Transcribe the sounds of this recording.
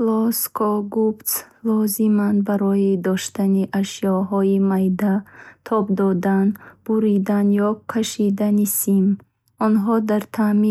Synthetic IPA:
lɔskʰɔɡubt̪s | lɔzimanbaɾɔjid̪ɔʃt̪aniʔaʃiɔɦɔjimajd̪at̪ʰɔbd̪ɔd̪anb̥uɾid̪anjɔkʰaʃid̪anisim | ɔnɦɔd̪aɾt̪ʰami

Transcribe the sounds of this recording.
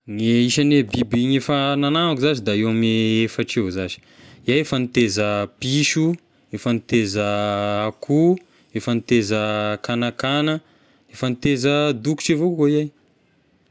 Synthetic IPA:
ŋeiʃanebibiɲefənananakuzazid̪aewameefaʈ͡ʂewzazi̥ | ijajefanit̪ezəpiʃu | efanit̪ezəakʰu | efənit̪ezəkanakanə | efanit̪ezəd̪uku̥ʈ͡ʂivokoiaj

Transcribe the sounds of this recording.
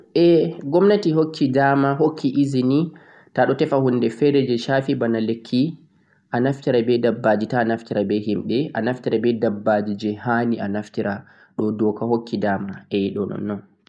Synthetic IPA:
ʔɛɡɔmnatiɦokʰːidamaɦokʰːiʔizini | taɗɔtɛfahunːdɛfɛɾɛd͡ʒɛʃaːfibanalekʰːi | ʔanaftiɾabɛdabːad͡ʒitanaftiɾabɛɦimɗɛʔanaftiɾabɛdabːad͡ʒid͡ʒɛhanianaftiɾa | ɗɔdɔkahokʰːidamaʔɛjiɗɔnɔ̰nːɔn

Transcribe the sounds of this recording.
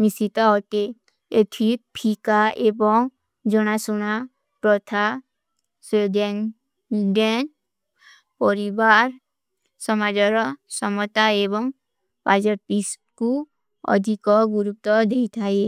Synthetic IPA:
misit̪ɔɔʈe | et̪ʰit̚pʰikaebɔŋ | d͡ʒɔɽ̃asuɽ̃a | pɾɔt̪ʰa | seden | iɖen | pɔɾibaɾ | sɔmad͡ʒɔɾɔsɔmɔt̪aebɔŋ | pad͡ʒɔʈ̚pis | ku | ɔ̰d̪ʱikɔɡuɾup̚t̪ɔd̪eit̪ʰae

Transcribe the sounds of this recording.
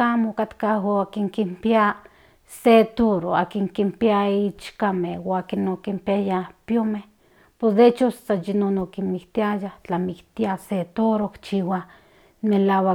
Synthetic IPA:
amokat̪kaɦoakiŋkimpia | set̪oɾoakiŋkimpiait͡ʃkamehwakinokimpiajapjomeh | posd̪et͡ʃossajinonokimikt̪iajaht͡ɬamikt̪iaset̪oɾokt͡ʃiwa | melawa

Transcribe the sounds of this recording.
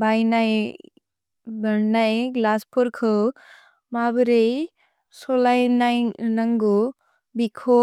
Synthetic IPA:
bajnaj | bəɽnajɡlaspʰɔɾkʰɯ | mabɾej | solajnajnaŋɡu | bikʰo

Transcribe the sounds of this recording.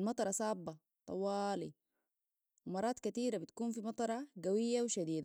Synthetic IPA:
lmɑt̪ˤɑɾˤɑsaːbːa | t̪ˤɑ̰wːɑːlḭ | wmɑɾˤːɑːt̪kat̪iːɾabit̪ḁkuːnfimɑt̪ˤɑɾˤɑɡawijːawʃad̪iːd̪a

